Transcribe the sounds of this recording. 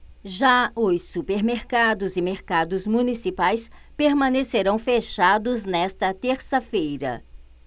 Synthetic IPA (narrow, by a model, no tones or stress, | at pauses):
ʒaʊsupeɾmeɾkad̪ʊzɪmeɾkad̪ʊzmũnisipajs | peɾmɐ̃neseɾɐ̃w̃feʃad̪ʊznɛst̪ɐt̪eɾsɐfejɾɐ̰